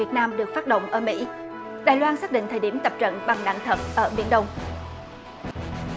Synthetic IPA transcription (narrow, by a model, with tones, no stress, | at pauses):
i˨˩ət̚naː˧mɗɨ˨˩ək̚faː˦˥t̚ɗə̰˧˨wŋ͡mʔəː˧˩mḭ˧˥ | ɗaː˨˩jlwaː˧nsaː˦˥k̚ɗḭ˧˨ŋt̪ʰəː˨˩ɗi˧˩əmt̪ə˨˩p̚t͡ɕə̰˧˨nɓa˨˩ŋɗa̰ː˧˨ŋt̪ʰə˨˩t̚ʔəː˧˩ɓḭ˧˥ənɗə˧wŋ͡m